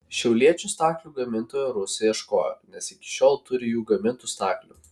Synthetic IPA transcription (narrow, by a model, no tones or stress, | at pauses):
ʃʲɛʊlʲiɛt͡ʃʲuːst̪ɑːklʲuːɡɐmʲɪnt̪oːjoɾʊsʲɛiɛʃko̰ːjo̰nʲɛsɪkʲɪ̥ʃʲoːlˠt̪ʊɾʲɪjuːɡɐmʲɪnt̪uːst̪ɑ̰ːklʲṵ